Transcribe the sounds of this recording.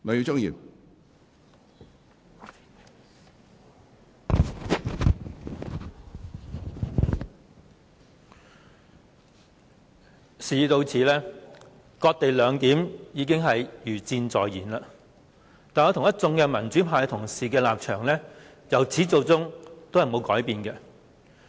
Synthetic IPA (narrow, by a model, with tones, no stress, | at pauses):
ŋɔ˨˧ji˧wt͡sʊ˥ŋjḭ˨˧w | siː˨˧t̪o˧wt͡sʰiː˨˥lɛː˥ | kɔː˧k̚t̪e˨jlœː˨˧ŋt̪iː˨˥mjiː˨˧k̬ɪ˥ŋɦɐ˨jjyː˨˩t͡siː˧nt͡sɔː˨jjiː˨˩nlaː˧ | t̪aː˨nɔː˨˧t̪ʰʊ˨˩ŋjɐ˥t̚t͡sʊ˧˥ŋkɛː˧mɐ˨˩nt͡sy˨˥pʰaː˨˧jt̪ʰʊ˨˩ŋsiː˨kɛː˧laː˨p̚t͡ʃʰœː˨˩ŋlɛː˥ | jɐ˨˩wt͡sʰiː˨˥t͡so˨wt͡sʊ˥ŋt̪o˥whɐ˨˩jmo˨˧wkɔː˨˥jpiː˨˧nkɛː˧